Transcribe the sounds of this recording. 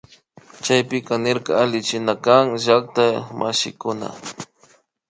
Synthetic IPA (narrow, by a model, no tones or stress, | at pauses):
t͡ʃajpɪkanɪɾkaalɪt͡ʃɪnakaŋʒak̚t̪amʔaʃɪ̰kʊna̰